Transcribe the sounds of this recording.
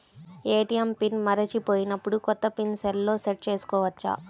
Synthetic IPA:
eːʈiɐmpinmɐɾɐt͡ʃipo̞ːjinɐpːuɽukɔt̪ːɐpinsɛlːo̞ːseʈ̚t͡ʃe̞ːsu̥kɔːʋɐt͡ʃːa̰ː

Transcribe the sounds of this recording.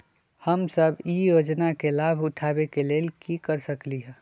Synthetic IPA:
həmsəbʱijoːd͡ʒnakelaːbʱʊʈʰaːbekeleːlkikəɾsəkliɦɛ̃ː

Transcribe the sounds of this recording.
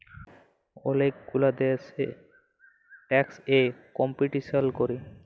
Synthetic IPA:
o̰lekɡulad̪ese | ʈɛksekɔmpiʈisalkoɾi

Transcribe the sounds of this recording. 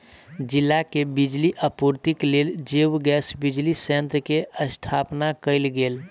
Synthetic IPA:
d͡ʒilːakebid͡ʒliʔəpuɾt̪ikleld͡ʒewɡɛsbid͡ʒlisẽnt̪ɾəkeəst̪ʰapnakəɪlɡeːl

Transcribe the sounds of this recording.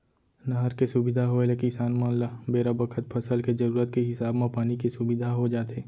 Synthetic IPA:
nɐɦəɾkesʊbɪd̪ʱaɦoelekɪsaːnmãːlabeːɾabɐkʰət̪̚pʰɐsəlkezɐɾuːɾət̪keɦɪsaːbmãpaːnikesʊbɪd̪ʱaɦod͡ʒaːt̪eː

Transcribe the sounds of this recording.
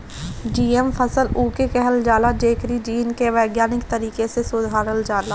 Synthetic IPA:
d͡ʒiːempʰəsəluːkekɛɦəld͡ʒaːlad͡ʒeːkɾid͡ʒiːnkeʋɛːɡjaːnɪkt̪əɾiːkesesʊd̪ʱaːɾəld͡ʒaːlaː

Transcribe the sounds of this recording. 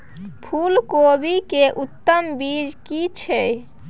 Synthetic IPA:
pʰulkobʱikeʔut̪ːəmbid͡ʒkit͡ʃʰɛ

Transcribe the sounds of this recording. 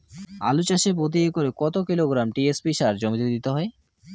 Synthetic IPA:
a̰lut͡ɕaʃepod̪iekoɾekɔt̪okiloɡɾamʈiespiʃaɾd͡ʑomit̪od̪it̪eɦɔe

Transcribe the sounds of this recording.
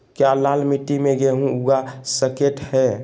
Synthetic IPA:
kjalalmiʈ̪ːimeɡɛɦũuɡasəkeʈhɛ

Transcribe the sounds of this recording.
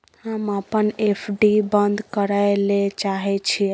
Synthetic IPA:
həməpənepʰɖibənd̪ʱkəɾəjlet͡ʃaɦɛt͡ʃʰi

